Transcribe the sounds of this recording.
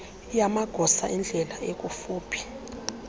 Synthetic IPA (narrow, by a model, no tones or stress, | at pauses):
jamaɡ̥ʱɔsa̰ʔind͡ɮʱɛlaek̬ʼufuːpʰi̥